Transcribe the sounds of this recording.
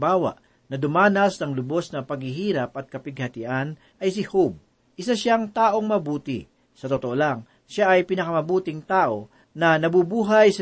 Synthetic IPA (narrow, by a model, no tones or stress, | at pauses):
baːwɐ̰ʔ | nɐd̪ʊmaːnɐsnɐŋlʊbo̞snɐpɐɡhɪɦiːɾɐp̚ʔɐt̪̚kɐpɪɡ̚hɐt̪ɪʔan | ʔɐjsɪhob̚ | ʔɪsaʃaŋt̪aːʔo̞ŋmɐbuːt̪ɪ̰ | sɐt̪ot̪oʔolaŋ | ʃaʔɐjpɪnɐkɐmɐbuːt̪ɪŋt̪aːʔo̞ | nɐnɐbubuːɦɐjsɐ